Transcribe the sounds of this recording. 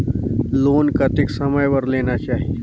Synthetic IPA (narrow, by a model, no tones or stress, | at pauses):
loːnkat̪ɪksɐməjʋəɾleːnat͡ʃaːɦie